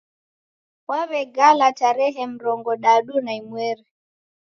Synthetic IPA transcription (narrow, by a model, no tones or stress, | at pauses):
waβɛɡalataɾɛɦɛm̩ɾɔŋɡɔɗaɗunaimwɛɾɛ